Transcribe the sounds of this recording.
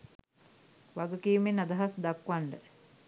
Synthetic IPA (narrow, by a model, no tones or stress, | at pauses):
ʋaɡəkiːmenad̪ɐɦasd̪akʋaɳɖə